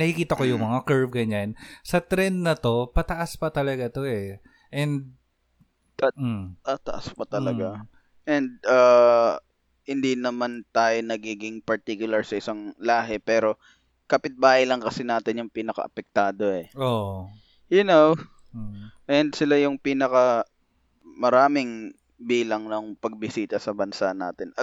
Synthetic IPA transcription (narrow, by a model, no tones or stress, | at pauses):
nɐhɪkiːt̪ɐko̞jʊŋmɐŋakɛɹvɡɐɲansɐt̪ɾɛnd̪nɐt̪o̞pɐt̪ɐʔaspɐt̪ɐlɐɡat̪o̞ʔɛ | ʔɛnd̪̚ | t̪at̪ɐʔaspɐt̪ɐlɐɡa | ʔɛnd̪̚ʔaː | hɪnd̪inɐmant̪aːjonɐɡiːɡɪŋpɐɹt̪ikjʊlɐɹsɐʔɪsaŋlaːɦɛpɛːɾo̞ | kɐpɪt̪̚baːhɪjlɐŋkɐsɪnaːt̪ɪnjʊŋpiːnɐkɐ̰ʔɐpɛk̚t̪aːd̪o̞ɛo | jʊnow | ʔɛnd̪sɪlajʊŋpiːnɐkɐ | mɐɾaːmɪŋ | biːlɐŋnʊŋpɐɡ̚bɪsiːt̪ɐsɐbɐnsaʔna̰ːt̪ɪnʔɐ